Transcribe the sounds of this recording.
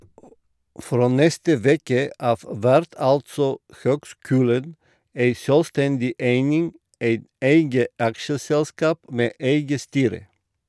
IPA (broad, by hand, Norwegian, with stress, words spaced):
ˈfɾoː ˈnɛstə ˈʋeːkə ˈʔɑːʋ ˈʋæɾt ˈɑltsɔ ˈhøːɡˌskʉːlən ˈeɪ ˈsøːlˌstɛndɪ ˈeɪnɪŋ ˈeɪt ˈeɪɡə ˈɑkʃəsɛlˌskɑːp ˈmeː ˈeɪɡə ˈstyːɾə